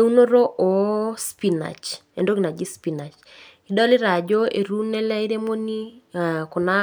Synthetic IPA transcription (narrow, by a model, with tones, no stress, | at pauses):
eu˦no˦ɾo˦ʔo˨spi˨na̰˨t͡ʃ | e˨ndo˦ɡi˨na˨d͡ʒi˦spi˨na˨t͡ʃ | i˨dɔ˦lɪ˦ɾa˨d͡ʒo˦e˨ɾu˦nɛ˦lɛ˦i˦ɾe˦mo˦ni˦ko˨na˦